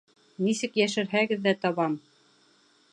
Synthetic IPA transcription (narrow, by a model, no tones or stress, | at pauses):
nisɘkjæʃɘ̆ɾɦæɡɘ̆ðːæt̪ɑβɑm